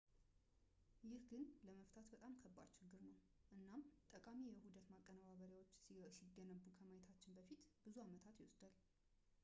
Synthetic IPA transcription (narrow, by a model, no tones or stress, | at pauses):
jɪhɡɨnləməft̪ʰat̪bət̪ʼamkʰəbːa̰ɾt͡ʃʰɪɡːɨɾnəw | ʔɨnːamt̪ʼəkʼamijɛhud̪ət̪makʼːənəβaβəɾjawo̞t͡ʃːsiɡːənəbukʰəmajɛt̪ʰat͡ʃːɪnbəfit̪bɨzuamət̪ʰat̪jɛwosd̪al